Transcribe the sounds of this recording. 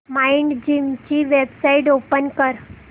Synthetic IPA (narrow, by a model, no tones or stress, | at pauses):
maiɳɖd͡ʑimt͡ɕiːʋebsaiʈopənkəɾ